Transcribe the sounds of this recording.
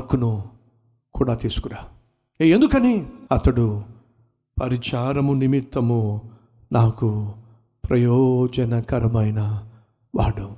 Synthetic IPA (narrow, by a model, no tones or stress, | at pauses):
ɐkːunu | kuːɽaːt̪iːsu̥kuɾaː | eend̪ukɐniɐt̪ɐɽu | pɐɾit͡ʃaːɾɐmunimit̪ːɐmu | naːku | pɾɐjɔːd͡ʒɐnɐkɐɾɐmɐjnɐ | ʋaːɽu